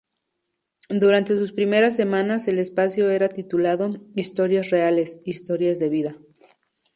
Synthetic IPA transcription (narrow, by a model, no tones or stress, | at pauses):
d̪uɾant̪e̞s̬uspɾime̞ɾas̬ːe̞mãnase̞le̞spasjo̞e̞ɾat̪it̪ulaðo̞ist̪o̞ɾjasreale̞sist̪o̞ɾjazðe̞βiða